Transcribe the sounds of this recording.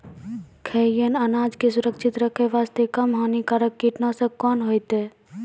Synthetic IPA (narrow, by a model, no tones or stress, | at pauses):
kʰeːjənənaːd͡ʒkesʊɾəkʃʰɪt̪ɾəkʰeʋaːst̪ekəmɦoːnikaɾəkːiʈnasəkɔːnɦoːjt̪eː